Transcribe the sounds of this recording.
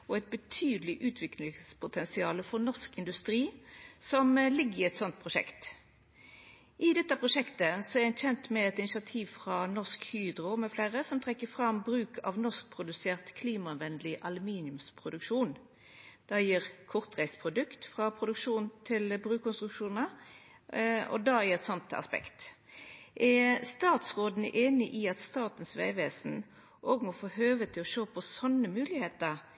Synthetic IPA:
ɔɛɪt̪̚bət̪ʰyːd̪əlɪʔʉːt̪ʰʋɪklɪŋspʰʊt̪ʰɛnsɪɑːləfɔʁnɔʁskɪnd̪ʉst̪ʁiːsɔmlɪɡːɪɛt̪sɔnt̪̚pʰʁʊʃɛ̰kt̪ | ʔɪd̪ɛt̪ːəpʰʁʊʂɛkt̪əsɔɛɛnçɛnt̪mɛɛt̪ɪnɪsɑt̪ʰiːʋfʁɑnɔʁskhyːd̪ʁʊmɛfleːʁəsɔmt̪ʰʁɛkːəfʁɑmbʁʉːkʰɑ̰ʋnɔsk̚pʰʁʊd̪ʉseːʁt̪kʰliːmɑʋɛnd̪lɪʔɑlʉmiːnɪʉmspʰʁʊd̪ʉkʃuːn | d̪̥ɑjiːʁkʰɔʁt̪ʁæɪspʰʁʊd̪ʉkt̪fʁɑpʰʁʊd̪ʉkʃʂuːnnt̪ʰɪlbʁʉːkɔnst̪ʁʉkʂuːnə | ɔ̰d̪ɑjiːʁɛt̪sɔnt̪ɑ̰spɛ̰kt̪ | ɛst̪ɑːt̪sʁoːd̪n̩ə̰ʔeːnɪʔiɑt̪st̪ɑːt̪ən̩sʋæ̰ɪʋeːsn̩ | ʔɔɡmɔfoːɦøːʋət̪ʰɪlɔʃoːpʰɔsɔnːəmʉːlɪheːt̪əʁ

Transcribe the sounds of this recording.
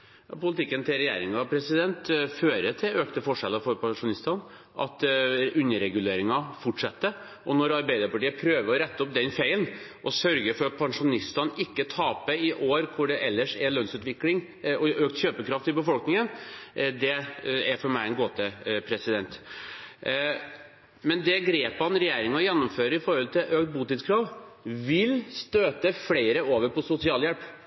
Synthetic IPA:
jɑ̰pʊlɪt̪ʰɪkːənt̪ʰɪlɾɛjḛːɾɪŋɑpʰɾɛsɪd̪ɛnt̪føːɾət̪ʰɪløːkt̪əfɔʂɛlːəfɔɾpʰɑŋʂʊnɪst̪ɑn | ʔɑ̰t̪ʉnːəɾɛɡʉleːɾɪŋɑfɔʈʂɛt̪ːə | ʔɔnɔɾɑɾbæɪd̪ɑɾpɑʈiːəpʰɾøːʋəɾɔɾɛt̪ːəɔp̚d̪ɛnfæɪlnʔɔsœɾɡəɾfɔɾɑt̪̚pʰɑŋʂʊnɪst̪ɑnɪkːət̪ʰɑːpəɪʔoːɾkʰʊɖɛʔɛlːəʂɛlœnsʉːt̪ʋɪklɪŋ | ɔøːk̚t̪çøːpəkʰɾɑft̪ɪlbəfɔlknɪŋənd̪ɛæɾfɔɾmæɪɛnɡoːt̪əpʰɾɛsɪd̪ɛnt̪ | mɛnd̪ɛɡɾeːphɑnɾɛjeːɾɪŋəɔjɛnːʊmføːɾəɪfɔɾhɔlt̪ʰɪlʔøːk̚t̪̚buːt̪ɪt̪skʰɾɑːʋʋɪlst̪øːt̪əfleɪɾəoːʋəɾpʰɔsʊsɪɑːljɛlp

